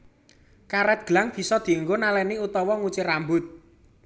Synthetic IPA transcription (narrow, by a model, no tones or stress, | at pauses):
kaɾɛt̪̚ɡ̥əlaŋb̥i̤sɔd̪̥i̤uŋɡonalɛniut̪ɔwɔŋut͡ʃirambʊt̪̚